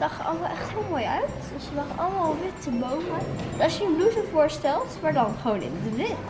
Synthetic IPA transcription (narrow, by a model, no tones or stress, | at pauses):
d̥ɑχɑ̰ləmalˠʔɛχtɦɪlˠmoːjœɥt | øsədɑχɑləmalˠʋɪtəbowməɑʃjəənluvəvʊːɹstɛlˠtmaːɹdɑnχəʋownɪ̰mədəʋɪt